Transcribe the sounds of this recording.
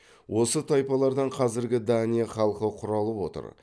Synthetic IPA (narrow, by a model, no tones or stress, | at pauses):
wʔo̞sət̪ʰɑjpɑlˠɑɾd̪ɑɴqʰɑzɪɾɡʲɪd̪anijɑχɑlˠqəqʰʊɾɑlˠəpwo̞̰t̪ə̰ɾ